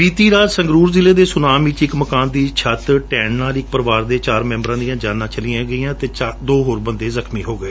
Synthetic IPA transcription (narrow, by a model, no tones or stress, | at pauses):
biːt̪iːɾaːd͡ʒsə̃ŋɡɾuːɾzɪleːd̪eːsʊnaːmiːt͡ʃɪkməkaːnd̪iːt͡ʃʰət̪ʈɛːnnaːlɪk̚pəɾəʋaːɾd̪eːt͡ʃaːɾmɛ̃ːmbəɾãːd̪ĩjãːd͡ʒaːnãːt͡ʃəliːãːɡəiːãːt̪eːd̪oːɦoːɾbə̃nd̪eːzəkʰmiːɦoːɡəeː